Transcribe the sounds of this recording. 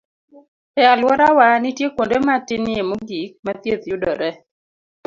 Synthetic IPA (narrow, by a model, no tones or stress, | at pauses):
ɛalwɔɾawanɪtjekwondematɪnɪemoɡik̚mat̪jet̪jʊdɔɾɛ